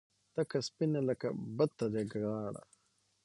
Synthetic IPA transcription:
t̪ɐkɐspinelɐkɐ̰bɐd̪̚t̪ːɐd̪eɡɾaːɽɐ̰

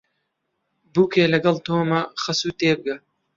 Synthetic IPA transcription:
buːkʰeːlɐɡɐlt̪oːmɐxɐsuːt̪eːbɨɡɐ

